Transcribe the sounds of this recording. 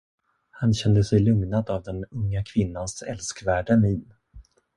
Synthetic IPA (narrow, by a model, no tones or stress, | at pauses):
hanɕɛnd̪əsɛjlɵŋnad̪avd̪ɛnɵŋːakʰvɪnːansɛlskvæːɖəniːn